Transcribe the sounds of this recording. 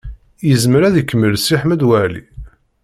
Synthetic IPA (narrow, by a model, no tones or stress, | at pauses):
jəzməɾæðikːməlsiħməd̪wæʕlḭ